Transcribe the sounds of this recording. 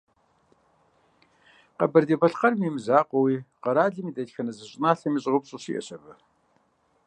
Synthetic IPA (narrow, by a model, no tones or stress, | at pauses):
qɐbɐrdebɐɬqɐrmimzaːqʷʼɔwiːqɐɾaːɮɨmiːdɐtxɐnɐzɨɕʼnaːɬɐmiɕʼʁəpɕʼɨɕḭʔɛ̰ɕʰʼɐbɨ